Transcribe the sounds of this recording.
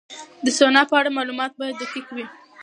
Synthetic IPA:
d̪əsonɑpəaɽamɑlumɑt̪̚bɑjad̪ːakikawi

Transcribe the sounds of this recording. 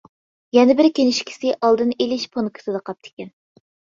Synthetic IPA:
jɛnɪbɪɾkʲenɪʃkʲʰi̥sɪʔɑlˠd̪ɨnelɪʃpʰonkʰɨ̥sɨd̪ɨqʰɑp̚t̪ʰɪ̥kʲɛn

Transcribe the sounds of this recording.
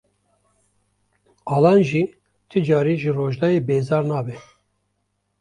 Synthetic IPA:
ɑːlɑːnʒiː | t̪ʰɨd͡ʒɑːɾiːʒɨroːʒd̪ɑjeːbeːzɑːɾnɑːbɛ

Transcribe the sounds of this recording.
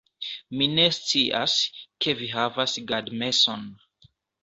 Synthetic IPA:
mine̞st͡siʔa̰ske̞viɦavasɡadme̞son

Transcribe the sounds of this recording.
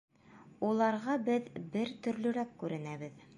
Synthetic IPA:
ulˠɑɾʁɑbɘðbɘɾt̪ɵ̆ɾlɵ̆ɾækkʉɾɘ̆næβɘð

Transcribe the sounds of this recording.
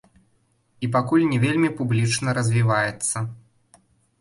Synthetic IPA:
ip̬akulʲnʲɛvʲelʲmʲipublʲit͡ʂnɐɾɐzʲvʲivajɛt̪sːɐ

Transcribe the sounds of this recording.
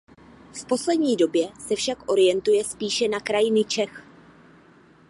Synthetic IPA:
fpo̞slɛdɲiːdo̞bjɛsɛfʃakʔo̞ɾɪjɛnt̪ujɛspiːʃɛnakɾajɪnɪt͡ʃɛx

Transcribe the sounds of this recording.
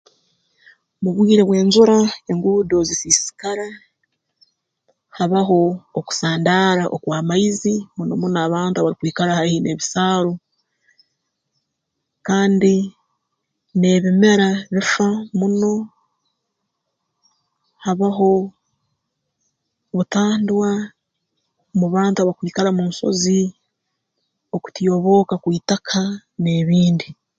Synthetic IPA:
muβwiːɾe̞βwe̞ːnzuɾae̞ŋɡuːdo̞zisisi̥kaɾa | haβaɦo̞ːku̥saːndaːɾaʔo̰kwaːmaizimuno̞̰munaβaːntuaβaɾikwiːkaɾahahine̞βisaːɾo | kaːndi | ne̞ːβime̞ɾaβifamuno̞ | haβaɦo̞ | βutaːndwa | muβaːntuaβaikwiːkaɾamuːnso̞̰zi | o̞ku̥tijo̞βo̞ːkakwiːtakʰa | ne̞ːβiːndi

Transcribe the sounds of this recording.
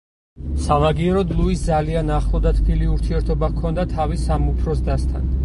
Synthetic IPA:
samaɡiɛɾɔd̪lˠuisd̪zalianaχlˠɔd̪at̪ʰbʰiliuɾt̪ʰiɛɾt̪ʰɔbakʰɔnd̪at̪ʰavisamupʰɾɔs̬d̪ast̪ʰa̰n

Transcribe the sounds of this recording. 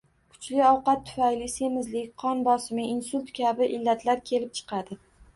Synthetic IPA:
kʰʊ̥t͡ʃlɪɒwqɑt̪ʰːʊ̥fajlɪse̞mɪzlɪkʲqʰɒnbɒsɪmɪinsʊlʲt̪kʲʰabɪʔɪlːat̪ʰlaɾkʲʰe̞lɪp̚t͡ʃʰɨ̥qʰɑd̪ɪ

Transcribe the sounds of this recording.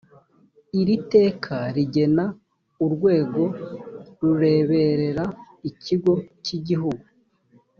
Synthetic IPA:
iɾite̞ːkʰaɾiɟe̞na | uɾɡwe̞ːɡo̞ɾuɾe̞ːβe̞ɾe̞ɾa | iciɡo̞ciɟiɦuɡu

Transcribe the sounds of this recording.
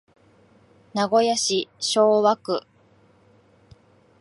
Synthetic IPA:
naɡo̞jaɕiɕo̞ːβakɯ̟

